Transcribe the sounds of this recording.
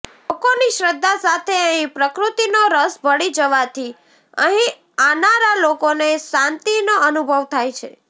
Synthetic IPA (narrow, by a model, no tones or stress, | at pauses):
lokoniʃɾəd̪ːasat̪ʰeəɦĩpɾəkɾut̪inoɾəsbʱəɽid͡ʒəʋat̪ʰi | ə̰ɦĩ | anaɾalokoneʃãnt̪inoənubʱəʋt̪ʰajt͡ʃʰḛ